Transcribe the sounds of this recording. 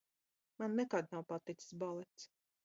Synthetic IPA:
manːɛkad̪nawpat̪it̪ssbalˠɛt̪s

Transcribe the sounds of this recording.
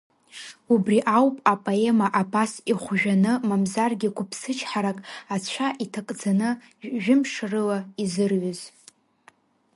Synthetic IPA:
ubriʔawpʼapʼoe̞maʔabasiχʷʒᶣanɨmamzarɡʲikʷʰʊpʰsɨt͡ʃʰħaɾakʼat͡ɕʷʰaʔitʰakʼd͡zanɨ | ʒᶣɪmʂrɨlaizɨrɥaz̥

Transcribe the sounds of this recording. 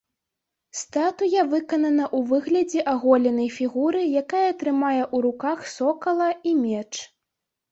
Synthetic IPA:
st̪at̪ujɐvɨkɐnɐnɐʔuvɨɣlʲɐd͡zʲɛʔaɣɔlʲɛnɐjfʲiɣuɾɨjakajɐt̪ɾɨmajɛʔuɾukaxsɔkɐlˠɐimʲɛt͡ʂ

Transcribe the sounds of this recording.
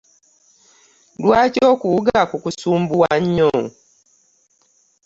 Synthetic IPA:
lwaːcoːkuuɡakukusuːmbuwaɲːo

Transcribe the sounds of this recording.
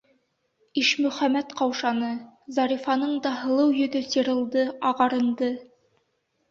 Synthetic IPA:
iʃmɵ̆χæmæt̪qɑwʃɑnɤzɑɾifɑnɤɴd̪ɑɦɤ̆lˠɤwjɵ̆ðɵsɤɾɤ̆lˠd̪ɤɑʁɑɾɤ̆nd̪ɤ

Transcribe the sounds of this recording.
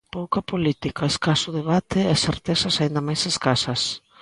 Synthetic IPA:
powkɐpolit̪ikaeskasʊðeβat̪ɪɛseɾt̪esɐsaind̪ɐmajseskasɐs

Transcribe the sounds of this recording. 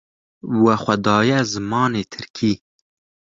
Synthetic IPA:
waxʷad̪ɑːjazmɑːnet̪ʰɪɾkʰi

